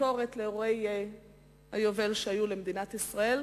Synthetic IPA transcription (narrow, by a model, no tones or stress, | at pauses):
o̞ʁet̪leʁoeje | hajovelʃeajulemed̪inat̪isʁae̞l